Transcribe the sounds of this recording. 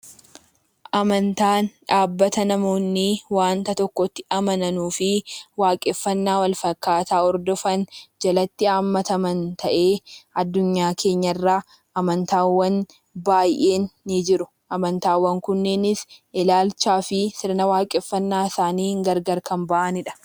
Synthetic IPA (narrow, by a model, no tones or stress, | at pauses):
ʔɐmɐnt̪aːnᶑaːbːɐt̪ɐnɐmo̞ːnːɪwaːnt̪ɐt̪ɔkːɔt̪ːɪʔɐmɐnɐnuːfɪwaːkʼɛfːɐnːaːwɐlfɐkːaːt̪aːɔɾd̪ɔfɐnd͡ʒɐlɐt̪ːɪaːmːɐt̪ɐmɐnt̪ʰɐʔe̞ːɐd̪ːʊɲːaːkʰe̞ːɲːɐrːaː | ʔɐmɐnt̪aːwːɐn | baːjʔe̞ːnːɪd͡ʒɪɾʊ̥ | ʔɐmɐnt̪aːwːɐŋkʊnːenɪsʔɪlaːlt͡ʃaːfɪsɪɾnɐwaːkʼɛfːɐnːaːɪsaːniːŋɡɐɾɡɐɾkɐmbɐʔɐnɪᶑɐ̥